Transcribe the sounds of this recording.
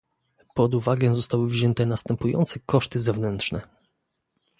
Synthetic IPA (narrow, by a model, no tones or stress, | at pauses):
pɔd̪uvaɡɛzɔst̪awɘvʑɛnt̪ɛnast̪ɛmpujɔ̰nt̪sɛkɔʂt̪ɘzɛvnɛnt̪ʂnɛ